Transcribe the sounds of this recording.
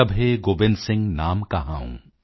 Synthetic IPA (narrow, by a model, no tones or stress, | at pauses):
ɐbʱɦeɡoːbɪnsɪ̃ŋɡnaːmkaɦaːṵ̃ː